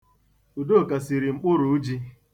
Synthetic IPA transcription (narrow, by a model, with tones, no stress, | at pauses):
u˨do˦˨ka˨si˨ɾi˨ŋ͡m̩˨k͡pʊ˦ɾʊ˨u˦d͡ʒi˦